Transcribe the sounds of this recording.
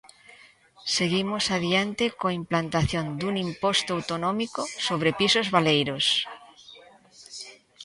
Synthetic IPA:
seɣimosaðjant̪ekoaimplant̪aθjond̪uŋimpost̪oawt̪onɔ̃mikosoβ̞ɾepisozβalejɾos

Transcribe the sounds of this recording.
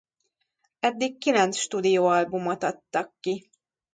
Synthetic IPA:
ɛd̪ːikːilɛnt̪sʃt̪uːd̪ijoːɒlbumot̪ɒt̪ːɒkːi

